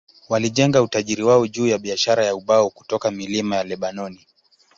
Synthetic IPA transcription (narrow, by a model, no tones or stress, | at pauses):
waliʄɛŋɡautaʄiɾiwaɔʄuːjaɓiaʃaɾajauɓauku̥tɔkamilimajalɛɓanɔni